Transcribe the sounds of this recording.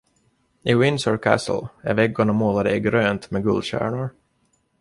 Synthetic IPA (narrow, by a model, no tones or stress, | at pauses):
ɪwɪnsɔɹkʰæ̰sə̰l̩æ̰ɾvɛɡːʊɳamoːlad̪əɪɡɾøːnt̪mɛɡɵ̰ld̪ɕæ̰ːɳʊɾ